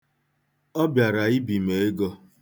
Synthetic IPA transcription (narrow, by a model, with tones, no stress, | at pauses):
ɔ˦bja˨ɾa˨i˦bi˨me˨e˦ɡɔ˦